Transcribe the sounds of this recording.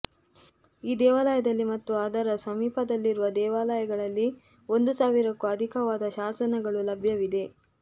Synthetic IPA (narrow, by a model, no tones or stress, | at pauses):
iːd̪ɛːʋaːlɐjɐd̪ɐlːimɐt̪ːuaːd̪ʱɐɾɐsɐmiːpɐd̪ɐlːiɾuʋɐd̪ɛːʋaːlɐjɐɡɐɭɐlːi | o̞nd̪usaːʋiɾɐkːuɐd̪ʱikɐʋaːd̪ɐʃaːsɐnɐɡɐɭulɐbʱjɐʋid̪e̞